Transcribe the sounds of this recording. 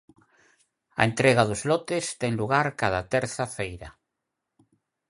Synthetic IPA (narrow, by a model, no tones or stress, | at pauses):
a̰ent̪ɾeɣaðozlɔt̪est̪ɛŋluɣ̞aɾkaðat̪ɛɾθafejɾa